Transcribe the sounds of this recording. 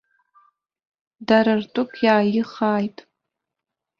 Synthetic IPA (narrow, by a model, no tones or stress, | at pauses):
daɾartʼʊkʼʰjaːjɪχaːjtʼ